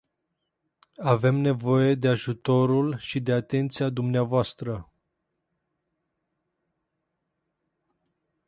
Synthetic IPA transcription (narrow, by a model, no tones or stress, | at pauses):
ave̞mne̞vo̞je̞d̪e̞aʒut̪o̞ɾulʃid̪e̞at̪e̞nt̪siad̪umneavoast̪ɾə